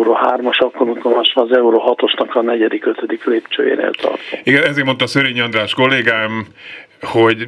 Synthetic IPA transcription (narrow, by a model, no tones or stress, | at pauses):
ɾoɦaːrmɒʃɒkːoɾut̪omaːʃɒːzɛuɾoɦɒt̪o̞ʃnɒkɒnɛɟɛd̪ikøt̪ød̪ikleːpt͡ʃø̰ːjḛːnḛːlt̪ɒ̰rt̪oiɡɛɛzeːɾmo̞nt̪ɒːsøɾeːɲɒnd̪raːʃko̞lːeːɡaːm | hoɟ